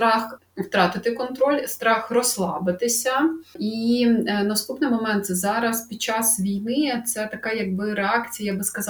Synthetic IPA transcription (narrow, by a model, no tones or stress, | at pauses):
t̪ɾɑx | wt̪ɾɑt̪ɪt̪ɪkɔnt̪ɾɔlʲst̪ɾɑxrɔslˠɑbɪt̪ɪsʲɐinɐst̪upnɪmɔmɛnt̪sɛzɑɾɐspʲid̪̚t͡ʃɑsʋʲijnɪt̪sɛt̪ɐkɑjɐɡ̚bɪɾeɑkt͡sʲijabɪskɐzɑ